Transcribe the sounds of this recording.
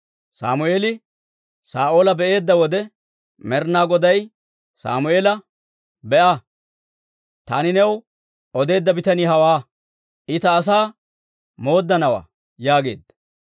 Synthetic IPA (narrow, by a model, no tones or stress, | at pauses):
sa̰ːmʊeːlɪ | saːʔoːlɐbɛʔe̞ːd̪ːɐwɔd̪ɛ | mɛɾnaːɡɔd̪ɐj | sa̰ːmʊeːlɐ | bɛʔɐ | t̪aːnɪnɛw | ɔd̪e̞ːd̪ːɐbɪt̪ɐniːɦɐwaː | ʔɪt̪ɐːs̬aː | mo̞ːd̪ːɐnɐwa̰ː | jaːɡe̞̰ːd̪ːɐ̥